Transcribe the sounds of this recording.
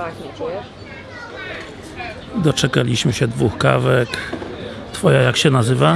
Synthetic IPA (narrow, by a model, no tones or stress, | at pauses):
d̪ɔt͡ʂɛkalʲiɕmɘɕɛd̪vuxka̰vɛk | t̪fɔjajakɕɛnazɘva